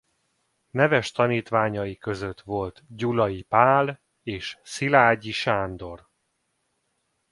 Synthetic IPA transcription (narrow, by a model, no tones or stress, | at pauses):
nɛvɛʃt̪ɒniːt̪ʋaːɲɒjikøzø̞t̪ʋo̞lt̪ɟulɒjipaːl | eːʃsilaːɟiʃaːnd̪o̞r